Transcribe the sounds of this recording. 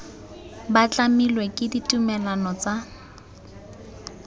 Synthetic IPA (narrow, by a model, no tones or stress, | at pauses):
bat͡ɬamilwekʼɪditʼumɛlanɔt͡sa